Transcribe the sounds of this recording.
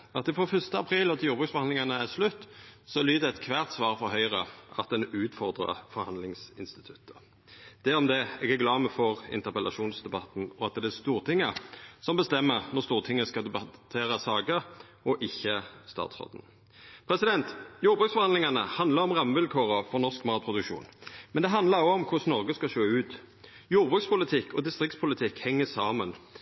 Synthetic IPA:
ɑt̪ɪfɾɔfʏst̪əɑpʰɾiːlɔt̪ʰɪljuːʁbʁʉːksfɔʁhɑnɪŋɑnəæslʉt̪ːsɔlyːd̪əɛt̪kʰʋæːʁt̪sʋɑːʁfɔɾɦœʏʁəʔɑt̪̚d̪ɛnʉːt̪fɔʁd̪ʁɑ̰fɔɾhɑnlɪŋsɪnst̪ɪt̪ʰʉ̥t̪ʰːə̥ | d̪̥ɛɔmd̪ɛɛɡɛɡlɑːməfɔʁɪ̰nt̪əʁpəlʔɑ̰ʃuːnsd̪ɛbɑt̪n̩ɔɑt̪̚d̪ɛæst̪uːʁt̪ʰɪŋːəsɔmbəst̪ɛmːəʁnɔʁst̪uːʁt̪ʰɪŋːəskɑd̪ɛbɑt̪ʰeːʁəsɑːɡə | ɔʔɪçːəst̪ɑ̰ːt̪sʁɔ̰ːd̪n̩ | pʰʁɛsɪd̪ɛnt̪juːɾbʁʉksfɔʁhɑnd̪lɪŋɑnəhɑnd̪ləʁɔmʁɑmːʋɪlkʰoːʁəfɔʁnɔʁskmɑːt̪̚pʰɾʊd̪ʉkʃṵːnmɛnd̪ɛɦɑnd̪lɑɾoɔmkʰʊsnɔʁɡəskɑʃøːʉːt̪ | juːʁbʁʉːkspʊlɪt̪ʰɪkːɔd̪ɪst̪ʁɪkt̪spʰʊlɪt̪ʰɪkhɛŋːəsɑːmən

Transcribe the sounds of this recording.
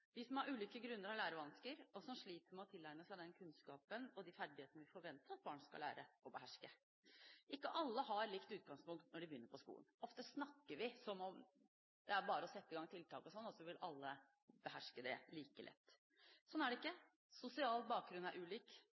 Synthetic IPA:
d̪ɪsɔmhɑɾʉːliːkəɡɾʉnːəɾɑʋlæːɾəʋɑnskəɾɔsɔmʂɭiːt̪əɾmɛɔt̪ʰɪlːæɪməsæɪd̪ɛnkʰʉnskɑːpənɔd̪ɪfæɖɪheːt̪ənəʋɪfɔɾʋɛnt̪əɾɑt̪̚bɑːɳskɑ̰læ̰ːɾəɔbəɦæʂkə | ʔɪkːəʔɑlːəhɑɾɭɪkt̪ʉːt̪̚ɡɑŋspʊŋkt̪nɔɖɪbəʏnːəɾpʰɔskṵːlənɔft̪əsnɑkːəɾʋɪsɔmɔm | d̪ɛæɾbɑːɾəɔsɛt̪ːəɪɡɑŋt̪ʰɪlt̪ʰɑ̰ːkɔsɔnːɔsɔʋɪlɑ̰lːə | bəɦæʂkəd̪ɛ̰liːkəlʔɛ̰t̪ː | sɔnæɖɛɪkːə | sʊsɪɑːl̚bɑːk̚ɡɾʉnæɾʔʉːliːk

